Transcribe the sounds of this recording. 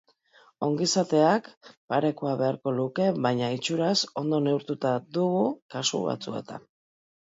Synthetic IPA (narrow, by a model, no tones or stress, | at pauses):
o̞ŋɡisat̪e̞akpaɾe̞koaβe̞aɾko̞luke̞βajɲait͡ʃuɾaso̞nd̪o̞ne̞uɾt̪ut̪aðuɣukasṵβa̰t͡sṵe̞̰t̪a̰